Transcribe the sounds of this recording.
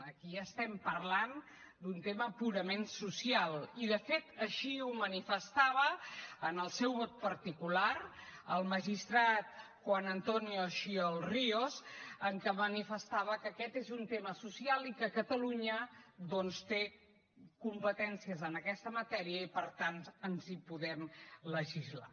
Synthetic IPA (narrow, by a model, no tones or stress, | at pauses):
əkiaːst̪ɛmpəɾlan | d̪unt̪eməpuɾəmensusialˠiðəfet̪əʃiumənifəst̪aβ̞əənəlˠsɛwβɔt̪̚pəɾt̪ikulaɾəlˠməʒist̪ɾat̪ | xwanənt̪ɔnijoʃiolˠriozəŋkəmənifəst̪aβəkəkɛt̪ezunt̪eməsusialˠikəkət̪əluɲəd̪ɔnst̪e | kumpət̪ɛnsiəzənəkɛst̪əmət̪ɛɾiəipəɾt̪anənzipuðɛmləʒizla̰